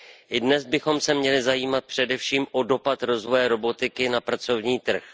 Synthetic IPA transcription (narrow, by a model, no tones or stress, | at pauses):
ʔɪdnɛzbɪxo̞msɛmɲɛlɪzajiːmat̪̚pr̥ɛdɛfʃiːmʔo̞do̞pat̪ɾo̞zvo̞jɛɾo̞bo̞t̪ɪkɪnapɾat͡so̞vɲiːt̪r̩x